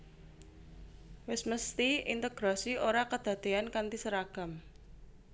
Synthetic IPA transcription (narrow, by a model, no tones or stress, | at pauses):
wɪsməst̪iint̪əɡ̥ɾasiʔoɾakəd̪̥a̤d̪̥e̤ankant̪isəɾaɡ̥a̤m